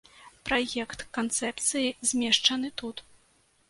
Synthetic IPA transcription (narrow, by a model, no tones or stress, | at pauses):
pɾajɛkt̪kant̪sɛp̚t̪sɨjizʲmʲɛʂt͡ʂɐn̪ɨt̪ut̪